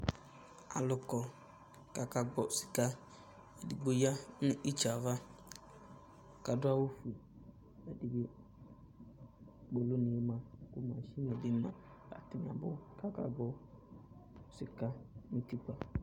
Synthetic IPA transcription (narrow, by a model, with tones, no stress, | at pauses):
a̰˨lʊ˨kɔ˨ | ka˨ka˨ɡ͡bɔ˨si̥˨ka˦ | e˨di˨ɡ͡bo˦ja˦nʊ̃˦ʔi˦t͡ʃa˨va˦ | ka˨dʊ˦a˦wo˦fu˨i˨ | a˨di˨be˦ | ɡ͡bo˨lo˦nɪ̃˨e˦mã˦˨kʊ˦mã˨ʃi˦ne˨dɪ˦mã̰˨ | a̰˨tɪ˨n˨a˨bʊ˦ka˦ka̰˨ɡ͡bɔ˦ | sɪ˨ka˦nɪ̃˦ti˦k͡pa˨